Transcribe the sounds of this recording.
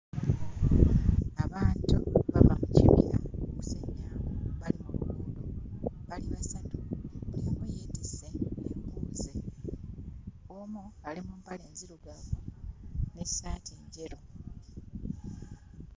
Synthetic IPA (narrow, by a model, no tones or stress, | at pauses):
aβaːntuβaβamucḭβḭja̰oku̥seɲjaːwoβalimuβuːnduβaliβasatuβuiamujeːtiseemkuːze | omualimumpale̞ːnziɾuɡaβu | nesaːtʰeːɲɟeɾo